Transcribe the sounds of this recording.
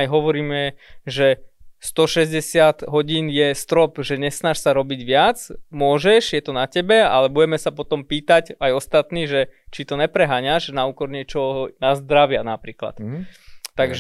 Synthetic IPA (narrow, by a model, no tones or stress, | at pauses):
ajɦɔʋɔɾiːmɛʒɛst̪ɔʃɛzɟɛsɪat̪ɦɔɟiːnjɛst̪ɾɔpʒɛɲɛsnaʃsaɾɔbiɟʋɪat͡smʊɔʒɛʒjɛt̪ɔnacɛbɛa̰lɛbuɟɛmɛsapɔt̪ɔmpiːt̪aɟajɔst̪at̪niːʒɛt͡ʃit̪ɔɲɛpɾɛɦaːɲaʃnauːkɔɾɲɪɛt͡ʃɔnazd̪ɾaʋɪanapɾiːkla̰t̪ː | aɡʒ